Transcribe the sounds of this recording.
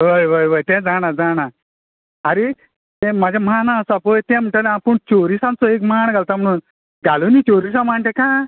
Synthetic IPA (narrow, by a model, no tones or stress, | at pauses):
ʋəjʋəjʋəjt̪ɛ̃d͡zaɽ̃ad͡zaɽ̃aː | ɾe | ɛ̃mad͡ʑamanasapojt̪ɛ̃m̤əɳʈaleapəɳt͡ɕoɾisãnt͡sɔekmaɳ̃ɡʱalt̪am̤ɽ̃uːn | ɡalonit͡ɕoɾis̬ãmaɳʈẽkã